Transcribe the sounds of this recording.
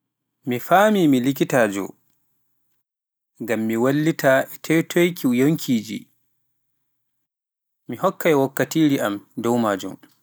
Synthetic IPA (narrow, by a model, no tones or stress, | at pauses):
mifaːmimilik̬itaːd͡ʒɔ̰ | ŋɡamːiwalːitaɛtʰɛjtʰojkʰijoŋkʰiːd͡ʒḭ | mihɔkːajwakːatiːɾiʔamdɔwmaːd͡ʒṵm